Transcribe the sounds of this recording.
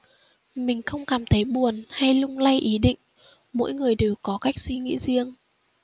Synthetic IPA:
mï˨˩ŋ̟xə˧wŋ͡mkaː˨˩mt̪ʰə˨˦jɓu˨˩ənha˧jlʊ˧ŋ͡mla˧jʔi˨˦ɗḭ˧˨ŋ̟ | mo̰˧˥jŋɨ˨˩əjɗe˨˩wkɔ˨˦ka˦˥jk̚swi˧ŋḭ˧˥zi˧əŋ

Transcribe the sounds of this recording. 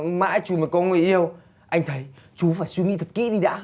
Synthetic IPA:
ma̰ː˧˥jt͡ɕu˨˩maː˨˩kɔ˨˧˦nŋɨ˨˩jʔi˧əw | ʔa˧jŋ̟t̪ʰə˨˦j | t͡ɕu˨˦faː˧˩jswi˧ŋḭ˧˥t̪ʰt̚kḭ˧˥ɗi˧ɗa̰ː˧˥

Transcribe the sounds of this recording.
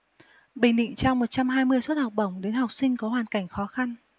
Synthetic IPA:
ɓï˨˩ŋ̟ɗḭ˧˨ŋt͡ɕa˧wŋ͡mmo˨˩t̚t͡ɕa˧mɦaː˧jmɨ˧əjswə˦˥t̚ha˨˩wk͡p̚ɗə˧˩wŋ͡mɗe˨˦nha˨˩wk͡p̚sï˧ŋ̟kɔ˨˦ɦwaː˨˩nka˧˩jŋ̟xɔ˨˦xa˧n

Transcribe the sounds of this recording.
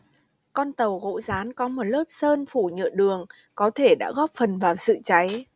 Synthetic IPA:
kɔ˧nt̪ə˨˩wɣo̰˧˥zaː˨˦nkɔ˨˦mo˨˩t̚ləː˦˥p̚səː˧nfu˧˩ɲɨ̰˧˨ɗɨ˨˩əŋ | kɔ˨˦t̪ʰe˧˩ɗa̰ː˧˥ɣɔ˦˥p̚fə˨˩nvaː˨˩wsɨ̰˧˨t͡ɕa˨˦j

